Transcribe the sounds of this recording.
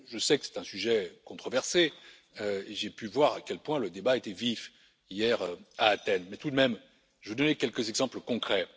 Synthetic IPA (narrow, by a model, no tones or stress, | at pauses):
ʒəsɛkə̥sɛ̥t̪ɛ̃syʒɛkɔ̃t̪χɔvɛʁse | øeʒepyvwaʁakʲɛlpwɛ̃ləd̪ebaet̪ɛvif | ijɛʁaːt̪ɛnmɛt̪ud̪əmɛm | ʒəvəd̪ɔnekʲɛlkəzɛɡzɑ̃pləkɔ̃kχɛ